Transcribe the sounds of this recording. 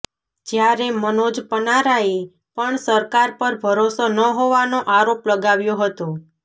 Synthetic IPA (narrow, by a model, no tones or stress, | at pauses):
d͡ʒjaɾemənod͡ʒpənaɾae | pəɳsəɾkaɾpəɾbʱəɾosonəɦoʋanoʔaɾopləɡaʋjoɦət̪o